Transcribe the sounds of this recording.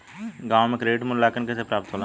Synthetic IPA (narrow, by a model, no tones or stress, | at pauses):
ɡãːwmẽkɾeːʈmʊnlaːkənkɛːsepɾaːp̚t̪oːla